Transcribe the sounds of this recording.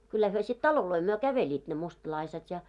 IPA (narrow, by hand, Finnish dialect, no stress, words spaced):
kylːæ hyø sit tɑloloi myø kæʋelʲiːt ne mustlɑiset jɑ